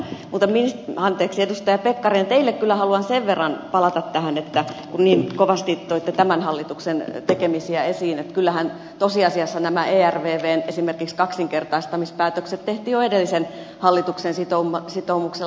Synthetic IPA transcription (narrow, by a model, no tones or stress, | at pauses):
muːt̪ɑminsɑnt̪eːksiedust̪ɑjɑpekːɑrint̪eilːekkylːæhɑluɑnseʋʋerːɑnpɑlɑt̪ɑt̪tæhænet̪ːækunniːnkoʋɑst̪it̪oit̪ːet̪æmænhɑlːit̪uksent̪ekemisiæesiːnet̪kylːæhæn | t̪osiɑsiɑsːɑnæmæʔeːærʋeːʋeːnesimerkikskɑksiŋkert̪ɑist̪ɑmispæːt̪økset̪t̪eht̪iːoedelːisen | hɑlːit̪uksensit̪oumɑsit̪oumukse